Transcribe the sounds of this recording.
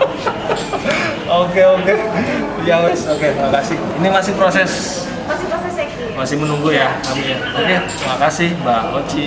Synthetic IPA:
okeoke | jaŋɛsoket̪ɾimakasɪhinimasɪhpɾosɛs | masɪpɾosɛsk | masɪhmənuŋɡujaamiɲa | okett̪ɾimakasɪhbakot͡ʃi

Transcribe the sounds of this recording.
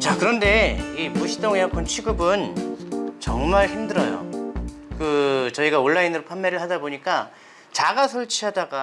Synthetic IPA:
t͡ɕakɯɾʌnde̞imuɕʰi̥t͈oŋjakʰʌnt͡ɕʰiɡɯbɯn | t͡ɕʌŋmaɭçimdɯɾʌjo̰ | kɯt͡ɕʌiɡaoɭːainɯɾopʰanːeɾɯɭhadaboɲik͈a | t͡ɕaɡasʰoɭt͡ɕʰiɦadaɡa

